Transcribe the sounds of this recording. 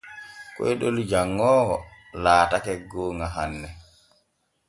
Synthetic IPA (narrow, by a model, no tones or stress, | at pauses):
kɔ̰jɗold͡ʒaŋːɔː | laːtakɛɡoːŋaɦanːɛ